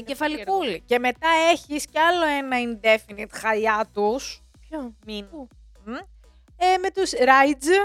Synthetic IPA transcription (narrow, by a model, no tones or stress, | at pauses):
ɟefɐlikulice̞me̞t̪ɐe̞çisceɐlo̞e̞nɐind̪e̞finit̪xɐʎɐt̪us | i | eme̞t̪usɾɐjd͡z